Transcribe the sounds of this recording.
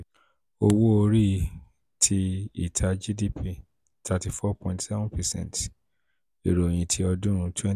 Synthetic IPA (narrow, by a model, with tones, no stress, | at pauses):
o˧wo˦o˧ɾi˦˨ | tʰi˧i˦˨tʰa˧d͡ʒi˦di˦pʰi˦˨ | tʰa˧ti˧fɔ˦pɔ̃˨ĩntsɛ˦vũ˦pɛ˨sɛ̰̃˦˨nt | e˨ɾo˨j̃ĩ˨tʰi˧ɔ˧dũ˦ɾ̃ũ˧tʰwɛ̃˦